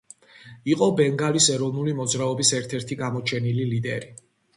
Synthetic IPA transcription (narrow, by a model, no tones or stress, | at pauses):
iqʼɔbɛŋɡalisɛɾɔvnulimɔd̪zɾaɔbisɛɾt̪ʰɛɾt̪ʰiɡamɔt͡ʃʰɛnililid̪ɛɾi